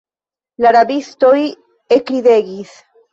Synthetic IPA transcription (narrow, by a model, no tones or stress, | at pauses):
laɾabist̪oj | ekɾiðeɡis